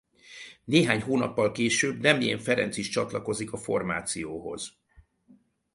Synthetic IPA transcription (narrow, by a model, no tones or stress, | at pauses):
neːɦaːɲɦoːnɒpːɒlkeːʃøːbnɛmijɛɱfɛɾɛ̰nsiʃt͡ʃɒt̪lɒko̞zikɒfo̞rmaːt̪sijoːɦo̞̰z